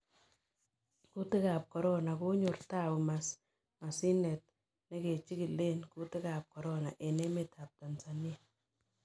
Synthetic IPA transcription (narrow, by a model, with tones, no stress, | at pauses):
ku˦tɪ˦ka˨p̚kɔ˨ɾɔna˨ku˦ɲʊ˨rta˦pʊ˨mas | ma˨si˦nɛt̚ | ne˦ke˨t͡ʃi˦ki˨le˦nku˦tɪ˦ka˨p̚kɔ˨ɾɔna˨ʔe˨ne˦meta˨p̚ta˨nsa˨nia˨